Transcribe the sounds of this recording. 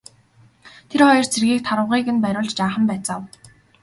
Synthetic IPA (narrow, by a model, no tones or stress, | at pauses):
t̪ʰerχɔjɞ̆rt͡sʰerɣiːk̚t̪ʰaɾə̆wʁiːkɘ̆npæɾʲʊːɮt͡ɕt͡ɕaːχə̆mpæːt͡saw